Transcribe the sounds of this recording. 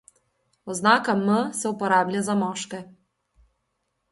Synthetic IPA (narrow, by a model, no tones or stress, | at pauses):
ɔznakɐmːəsɛupɔɾablʲazamɔʃkɛ